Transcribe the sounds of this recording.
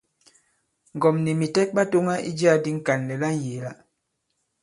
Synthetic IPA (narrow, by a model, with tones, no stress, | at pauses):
ŋ̩˨ɡɔ˨mni˨mi˨tɛ˦k̚ɓa˦to˦ŋa˦ḭ˦d͡ʒi˦a˦di˦ŋ̩˦ka˨nlɛ˨la˦n̩˦˨je˨la˦